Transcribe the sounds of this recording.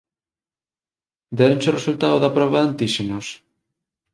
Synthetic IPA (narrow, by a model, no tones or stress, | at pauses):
d̪ɛɾõnsoresult̪aðoðɐpɾɔβaðant̪iʃenos